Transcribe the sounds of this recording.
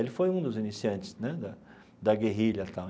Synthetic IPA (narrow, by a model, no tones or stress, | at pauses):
elɪfojũd̪ʊzinisiɐ̃nt͡ʃɪ̥snɛd̪ɐ | d̪ɐɡeɦiʎɐt̪a